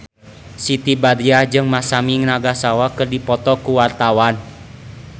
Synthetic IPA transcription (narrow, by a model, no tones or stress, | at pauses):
sit̪ibad̪iad͡ʒɨŋmasamiŋnaɡasawakɨrdipɔt̪ɔkuwart̪awan